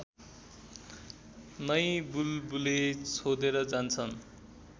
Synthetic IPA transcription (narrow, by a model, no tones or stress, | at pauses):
nʌjbulbulet͡sʰod̪eɾʌd͡zant͡sʰʌn